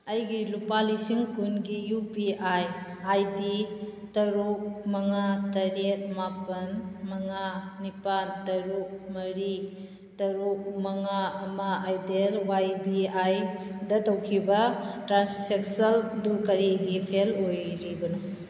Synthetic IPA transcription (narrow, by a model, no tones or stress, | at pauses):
ɐjɡilupalisiŋkunɡijupiʔaj | ajditɐɾuk̚mɐŋatɐɾet̚mapɐnmɐŋanipantɐɾuk̚mɐɾi | tɐɾuk̚mɐŋaɐmɐajdelwajbiajdɐtɐwkʰibɐtɾansek̚sɐlduɾkɐɾiɡipʰelojɾibɐnu